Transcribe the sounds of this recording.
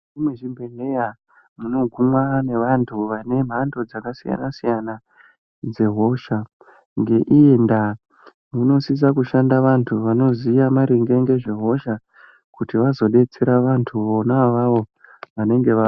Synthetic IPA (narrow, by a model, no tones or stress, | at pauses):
ʐimweʐimbʱene̞ja | muno̞ɡʱumwane̞ʋantʰuʋane̞m̤ando̞d͡zakasija̰nasijana | d͡ze̞ɦo̞ʃa | ŋɡe̞ʔienda | muno̞sis̬akuʃandaʋantʰuʋano̞zijamaɾiŋɡe̞ŋɡe̞ʐeɦo̞ʃa | kutiʋazo̞ɗe̞t͡se̞ɾaʋantʰuʋonaʋaʋo̞ʋane̞ŋɡe̞ʋa